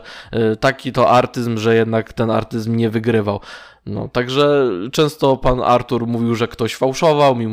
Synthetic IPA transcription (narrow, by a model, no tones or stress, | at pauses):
t̪akʲit̪ɔʔaɾt̪ɘzmʐɛjɛd̪nakt̪ɛna̰ɾt̪ɘzmɲɛvɘɡɾɘvaw | nɔ̰t̪aɡʐɛt͡ʂɛ̃w̃st̪ɔpana̰ɾt̪uɾmuvʲiwʐɛkt̪ɔɕfawʂɔvawmʲim